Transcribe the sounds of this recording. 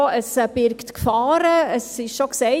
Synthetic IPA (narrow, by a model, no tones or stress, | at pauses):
əsb̥ɪɾktkfɑːɾəəsɪʃʃoksɛɪ